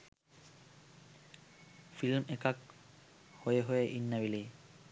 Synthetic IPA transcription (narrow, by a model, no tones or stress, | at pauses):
filmɛkak | hojeɦoeʔinːabilej